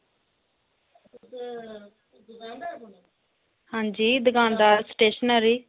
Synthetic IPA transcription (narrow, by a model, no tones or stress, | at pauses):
hãːɲd͡ʒiːd̪əɡãːnd̪aːɾsʈeːʃənəɾiː